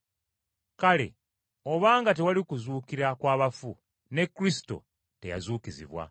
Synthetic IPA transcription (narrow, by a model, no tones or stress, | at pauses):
kale̞̰ | o̞βaːŋɡat̬e̞walikuzuːkiɾakwaːβafu | ne̞kːuɾisi̥to̞̰ | te̞̰ja̰zuːkizḭβwa̰